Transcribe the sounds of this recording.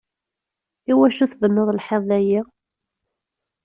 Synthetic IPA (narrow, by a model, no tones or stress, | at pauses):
iwæʃuθvənːəðˤlħeðˤðæji